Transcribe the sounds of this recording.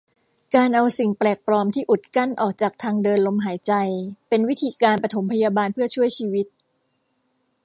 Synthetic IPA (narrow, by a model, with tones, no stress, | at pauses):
kaː˧nʔa˧wsi˨˩ŋplɛː˨˩k̚pɾɔː˧mt̪ʰiː˥˩ʔu˨˩t̪̚ka˥˩nʔɔː˨˩k̚t͡ɕaː˨˩k̚t̪ʰaː˧ŋdɤː˧nlo˧mɦaː˩˦jt͡ɕa˧jpe˧nwi˦˥t̪ʰiː˧kaː˧npɾa˧t̪ʰo˩˦mpʰa˧jaː˧baː˧npʰɯ˥˩ɐt͡ɕʰu˥˩əjt͡ɕʰiː˧wi˦˥t̪̚